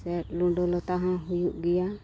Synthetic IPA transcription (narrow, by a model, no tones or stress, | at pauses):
sɛʈ̚luɖɔlɔt̪aɦãɦujuʔɡɛja